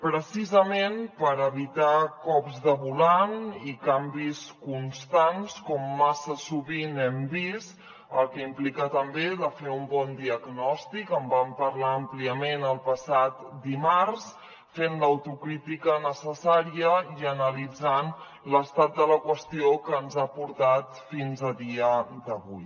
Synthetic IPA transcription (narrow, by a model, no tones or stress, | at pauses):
pɾəsizəmenpəɾəβit̪akɔpzðəβulanikambiskunst̪anskɔmːasəsuβinɛmbist̪ | əlˠkəimplikat̪əmbeðəfeumbɔnd̪iəɡnɔst̪ikəmbampəɾlaəmpliəmenəlˠpəsat̪d̪imaɾs | fenləwt̪ukɾit̪ikənəsəsaɾiəiənəlid͡zan | ləst̪at̪̚d̪ələkwəst̪iokəːnzapuɾt̪at̪finzəðiəd̪əβuj